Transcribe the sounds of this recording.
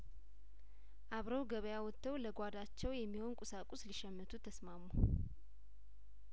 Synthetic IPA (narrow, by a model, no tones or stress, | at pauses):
ʔaβɾəwɡəβəjawɔt̪ʰːəwləɡʷad̪at͡ʃːɛwjɛmːiho̞nkʼusakʼusliʃɛmːət̪ʰut̪ʰːəsmamu